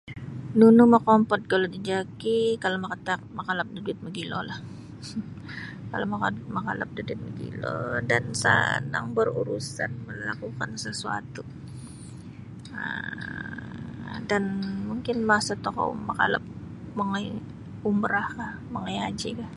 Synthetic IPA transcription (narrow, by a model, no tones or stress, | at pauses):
nunumakɔmpɔt̪̚kalodid͡ʒakikalomakat̪akmakalap̚dəduɪt̪̚məɡilolah | kalomakamakala̰p̚dədwɪt̪̚məɡḭlo̰dansə̰na̰ŋbəruɾusa̰nməlakukansəsua̰t̪u | ə̰ | danmuŋkɪnmasat̪okɔ̰maka̰la̰p̚ | məŋaj | umbəɾahkahməŋəjad͡ʒḭka